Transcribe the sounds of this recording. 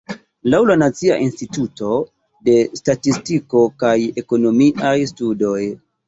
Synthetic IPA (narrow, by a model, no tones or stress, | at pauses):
lawlanat͡sia̰ʔinstituto̞ | de̞statistiko̞kaje̞ko̞no̞miʔajstudo̞j